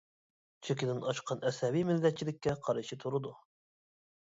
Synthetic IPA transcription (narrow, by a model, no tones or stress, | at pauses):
t͡ʃʰekʲɪd̪ɪnɑʃqʰɑnɛsɛbijmɪlːɛt̪̚t͡ʃʰilɪk̚ʲːɛqʰɑɾɨʃit̪ʰuɾɨd̪u